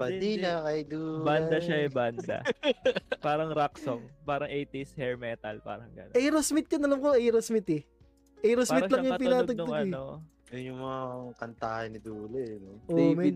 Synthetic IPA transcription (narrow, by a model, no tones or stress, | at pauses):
pɐd̪inɐkɐjd̪uband̪ɐʃaɛband̪ɐ̰ | paːɾɐŋɾaksoŋpaːɾɐŋʔejt̪ishɛɹmɛt̪ɐlpa̰ːɾɐŋɡɐ̰noʔɛjɾosmɪt̪̚kɐnɐlɐmkoɛjɾosmɪt̪ɛ | ʔɛjɾospamːɪɾɐʃlɐaŋjʊɐtp̬ɪnaːɐɡ̚nʊŋɐno | jʊnjʊŋmɐŋakɐnt̪aːhɐnːɪd̪uːlɛnoʔomɐɪ